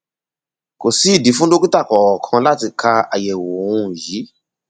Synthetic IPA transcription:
ko˨si˦˨di˨˦fũ˦do˦ki˦ta˦˨kɔ˨kʰɔ̃˧la˦ti˧kʰa˧a̰˨jɛ˨wo˨wũ˧˦˨ji˨˦

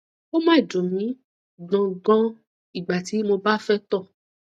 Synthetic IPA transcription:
o˦mãː˦˨d͡ʒõ˨mĩ˨˦ | ɡ͡bɔ̃˧ɡɔ̃˦ | i˦˨ɡ͡ba˨ti˨˦mo˧ba˦fɛ˦tɔ˦˨

